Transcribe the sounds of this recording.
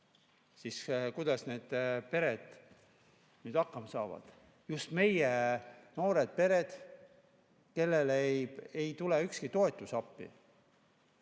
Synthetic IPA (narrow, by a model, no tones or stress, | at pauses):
siːskujd̪̥ɑsne̞ːd̪̥pe̞ɾe̞d̪̥ | nyːd̪ɑkˑːɑmsɑːvɑ̰d̪̥ | just̪me̞jeno̞ːɾe̞d̪̥̚pe̞ɾe̞d̪̥ | ke̞lːe̞ljejt̪ule̞ykskit̪o̞e̞t̪ːˑusɑpːḭ